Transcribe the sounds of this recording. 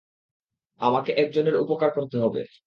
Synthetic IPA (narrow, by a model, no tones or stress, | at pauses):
amakeʔɛk̚d͡ʑoneɾupokaɾkoɾt̪eɦɔbḛ